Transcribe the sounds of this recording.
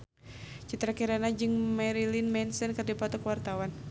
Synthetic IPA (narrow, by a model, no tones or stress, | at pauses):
t͡ʃit̪ɾakiɾanad͡ʒɨŋmɛɾilinmɛnsɛnkɨrdipɔt̪ɔkəwart̪awan